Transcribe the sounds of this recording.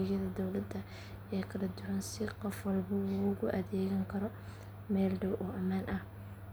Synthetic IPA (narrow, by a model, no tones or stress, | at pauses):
jɐðɐd̪ɔwlɐd̪ɐ | ɛːkʰɐlɐd̪ʊwɐnsɪqɔfwɐlbɐwɔɣʊʔɐðɛːɣɐŋkʰɐɾɔ | mɛːlɖɐwʔɔːʔɐmaːnʔɐh